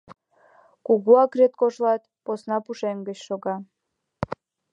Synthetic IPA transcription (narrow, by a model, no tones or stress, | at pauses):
kuɣuɑkret̪̚koʃlɑt̪̚ | posnɑpuʃeŋɡə̆t͡ɕʃoɣɑ